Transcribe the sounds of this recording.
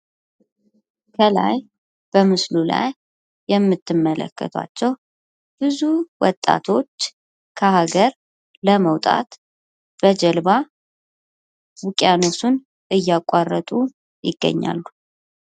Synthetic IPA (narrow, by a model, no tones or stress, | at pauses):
kʰəla̰j | b̥əmɨslula̰jː | ɛmːɨt̪ːɨmːələ̰kʰːə̰t̪ʰa̰t͡ʃːɛw | b̥ɨzuwɔt̪ʼːa̰t̪ʰo̞t͡ʃː | kʰəɦaɡəɾ | ləməwt̪ʼa̰t̪ | b̥əd͡ʒɛlβa | wukʼjanosun | ʔɨjːakʼarːət̪ʼu | jɪɡːə̰ɲːa̰lːu